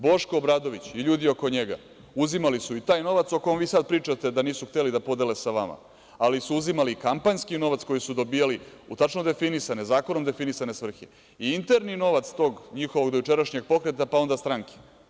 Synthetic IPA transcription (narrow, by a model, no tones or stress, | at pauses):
bo̞ʃkoːbɾad̪o̞ʋit͡ɕiʎuːd̪io̞ko̞ɲeɡa̰ | uzimalisuit̪aːjno̞ʋat̪soko̞jomʋiːsad̪̚pɾiːt͡ʂat̪ed̪aniːsuxt̪e̞lid̪apo̞d̪e̞le̞saʋama̰ | alisuuzimalikampaɲskino̞ʋat̪sko̞jisud̪o̞biːjaliut̪at͡ʃno̞d̪e̞finisane̞zaːko̞no̞md̪e̞finisane̞sʋr̩xe | iint̪e̞ɾnino̞ʋat̪st̪o̞ɡɲixoʋo̞ɡd̪ojut͡ʃe̞ɾaʃɲe̞ɡ̚po̞kɾe̞t̪apao̞nd̪ast̪ɾaŋke̥